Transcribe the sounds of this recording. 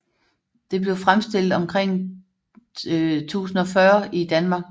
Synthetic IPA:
d̥e̝b̥le̝ʊfʁamsd̥e̝l̰d̥ɒ̽mkʰʁeŋ̰ | t͡sʰṵːsn̩ɒ̽fɶɐid̥ænmɑ̈ːɡ̥

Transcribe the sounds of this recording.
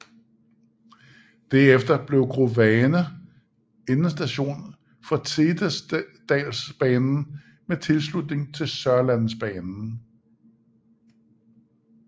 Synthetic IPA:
d̥æɐefd̥ɐb̥le̝ʊɡ̥ʰʁoʋɛːnə | enəsd̥æɕo̝̰ːn | fɒ̽t͡sʰe̝d̥sd̥ɛ̰ːlsb̥ɛːnn̩ | met͡sʰe̝lslud̥ne̝ŋt͡sʰe̝lsɶɐlænsb̥ɛːnn̩

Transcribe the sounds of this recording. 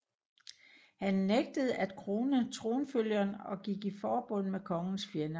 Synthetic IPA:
hænːeɡ̥̚d̥əð̞̩ˠæd̥̚kʰʁo̝ːnət͡sʰʁo̝ːnføl̰jɐnɒ̽ɡ̥iɡ̥ifɒːb̥ɔ̽n̰mekʰɒ̽ŋn̩sfenæ

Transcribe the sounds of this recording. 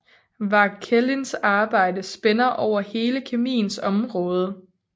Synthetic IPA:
ʋɑ̈kʰelinsɑ̈ːb̥ɑ̈ɪ̰dəsb̥enɐʔɒʊ̰ɐhe̝ːləkʰemḭːn̩sɒ̽mʁɔ̽ːð̞ˠə

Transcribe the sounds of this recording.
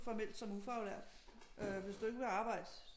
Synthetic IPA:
fɒmel̰d̥sɒ̽mufɑ̈ʊlæɐ̰d̥ʔøʋe̝sd̥ue̝ɡəʋe̝ɑ̈ːb̥ɑ̈ɪ̰d̥

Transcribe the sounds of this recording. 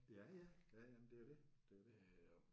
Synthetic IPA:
jæjæjæjæmnd̥e̝æɐde̝d̥eæd̥e

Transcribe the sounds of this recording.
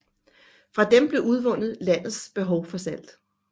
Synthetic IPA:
fʁɑ̈d̥emb̥le̝ʔuð̞ˠʋɔ̽n̰ð̩ˠlæn̰ð̩ˠsb̥e̝ɦɒ̽ʊfɒ̽sæl̰d̥

